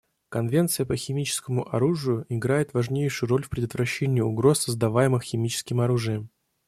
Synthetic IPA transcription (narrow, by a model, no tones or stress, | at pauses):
kɐnvʲe̞nt̪sɨjəpəxʲɪmʲit͡ɕɪ̥skəmʊʔɐɾuʐɨjʊʔɪɡɾajɪt̪vɐʐnʲejʂɨjʊɾo̞lʲfʲpɾʲɪd̪ət̪vɾɐɕːenʲɪjəʊɡɾo̞sːəzd̪ɐvajɪmɨxxʲɪmʲit͡ɕɪ̥skʲɪmɐɾuʐɨjəm